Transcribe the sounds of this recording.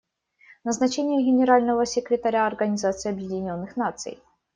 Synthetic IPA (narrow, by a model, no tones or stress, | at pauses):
nəznɐt͡ɕenʲɪjəɡʲɪnʲɪɾalʲnəvəsʲɪkɾʲɪt̪ɐɾʲaɐrɡənʲɪzat̪sɨjɐbjɪdʲɪnʲo̞nːɨxnat̪sɨ̰j